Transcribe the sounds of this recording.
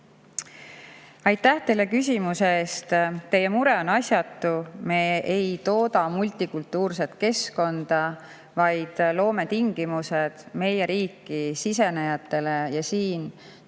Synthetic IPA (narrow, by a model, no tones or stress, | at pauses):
ɑjt̪ːæht̪e̞lːe̞kys̬ʲimuse̞eːst̪t̪ːe̞je̞muɾe̞o̞nɑsʲjɑt̪ːume̞ːejt̪o̞ːd̪ɑmulʲt̪ikult̪ːˑuːrse̞t̪ke̞sko̞nd̪̥ɑ | vɑjd̪̥lo̞ːme̞t̪iŋɡ̥imused̪̥me̞jeɾiːkːˑisise̞nejɑt̪ːˑe̞le̞jɑsiːn